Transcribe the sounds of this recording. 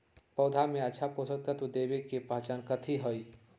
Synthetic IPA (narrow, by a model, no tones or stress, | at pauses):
pɔːd̪ʱamẽɐːʃʰapoːsək̚k̪ət̪ud̪eːbekepaɦt͡ʃaːnkət̪ʰiɦoi